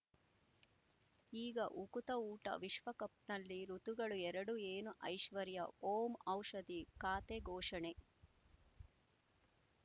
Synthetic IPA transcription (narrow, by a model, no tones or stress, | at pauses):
iːɡɐʔukut̪ɐuːʈɐ̰ʋiʃʋɐkɐp̚nɐlːiɾut̪uɡɐɭuɛɾɐɽueːnuʔɐjʃʋɐɾjɐoːmɐwʂɐd̪ikaːt̪eɡɔːʂɐɳe